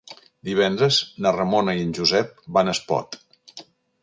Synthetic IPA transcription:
d̪iβɛnd̪ɾəznərəmonəiənʲʒuzɛp̚banəspɔ̰t̪

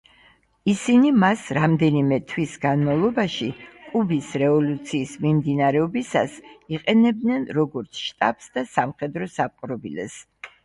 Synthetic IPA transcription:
isinimasɾamd̪ɛnimɛt̪ʰwisɡanmavlˠɔbaʃikʼubisɾɛvɔlut̪sʰiːsmimd̪inaɾɛɔbisa̰siqʼɛnɛb̚d̪nɛnɾɔɡɔɾt̪sʰʃt̪ʼa̰bsd̪asamχɛd̪ɾɔsap̚qʼɾɔbḭlɛ̰s

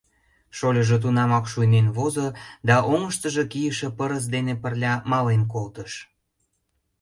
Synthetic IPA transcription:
ʃolʲəʒet̪̬unɑmɑkʃujnenβozod̪ɑʔoŋəʃt̪əʒekijəʃĕpəɾəs̬d̪enepərlʲɑmɑlenk̬olt̪əʃ

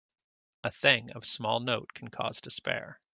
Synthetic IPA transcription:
ʔəθɪ̃ŋʌ̰v̥smɔlˠnoʊt̚kʰn̩kʰɔ̰z̥dɨspɛ̰ɹ

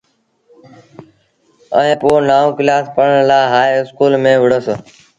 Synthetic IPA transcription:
ə̰ẽːpoːnaːoːkɪlaːspəɳɳlaːɦaːjɪskuːlmẽːʋəɽəs

